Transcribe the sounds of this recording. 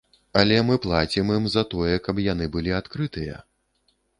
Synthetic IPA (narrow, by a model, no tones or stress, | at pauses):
ɐlʲɛmɨplˠat͡sʲimɨmzɐt̪ɔjɛkɐpjanɨbɨlʲiat̪kɾɨt̪ɨjɐ̰